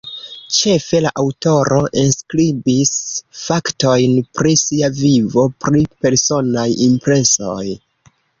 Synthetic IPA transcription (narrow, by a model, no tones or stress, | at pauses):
t͡ʃe̞fe̞laʔawto̞ɾo̞ʔenskɾibisfakto̞jnpɾisiavivo̞pɾipe̞ɾso̞najimpɾe̞so̞j